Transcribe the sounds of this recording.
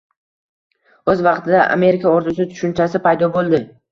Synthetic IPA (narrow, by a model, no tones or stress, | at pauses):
ɵzvɑqt̪ʰɪd̪aʔa̰me̞ɾɪkaoɾt̪ʰʊsɪt̪ʰʊ̥ʃʊnt͡ʃasɪpʰajd̪ɒbolˠd̪ɪ